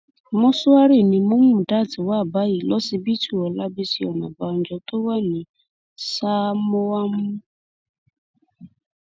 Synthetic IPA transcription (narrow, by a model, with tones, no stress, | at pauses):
mɔ̃˦sʊ˦a˦ɾi˦˨nĩ˧mõ˦mũ˦˨da˦˨ti˨wa˦˨ba˨˦ji˨lɔ˦si˧bi˦tu˦˨ɔ˨la˦bi˦si˧˦ɔ˨nã̰˨ba˨˧n̩˦d͡ʒɔ˧to˦wa˦nĩ˨˦ | sa˦mo˦wa˦m̃ũ˦